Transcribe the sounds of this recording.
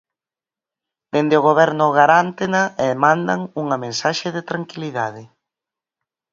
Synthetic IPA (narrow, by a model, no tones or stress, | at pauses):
d̪̥end̪ɪʊɣ̞oβ̞ɛɾnʊɣaɾant̪enaeðmãnd̪aŋuŋɐmẽnsaʃeðɪt̪ɾaŋkiliðaðɪ